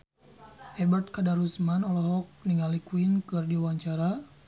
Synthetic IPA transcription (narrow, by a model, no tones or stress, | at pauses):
ʔɛbart̪̚kadaɾusmanɔlɔɦɔk̚niŋalikwinkɨrdiuwaɲt͡ʃaɾa